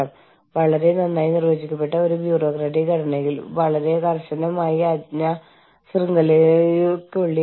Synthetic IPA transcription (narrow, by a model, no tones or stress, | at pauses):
ɐm | ʋɐɭɐɾe̞nɐnːaːjinirʋɐːd͡ʑikʲːɐpːe̞ʈːɐo̞ɾubjuːro̞ːkraɖikɐɽɐne̞ŋɡilʋɐɭɐɾe̞kɐrɕɐnɐmaːjiɐd̪ɲɐ | srɨŋɡɐlejkːoɭːi